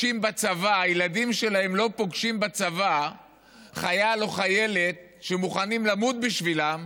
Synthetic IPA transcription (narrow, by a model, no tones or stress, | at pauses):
imbat͡savaːjeladimʃe̞lae̞mlo̞po̞ɡʃimbat͡sava | χajalo̞χaje̞le̞t̪̚ | ʃemuχanimlamut̪̚biʃvilam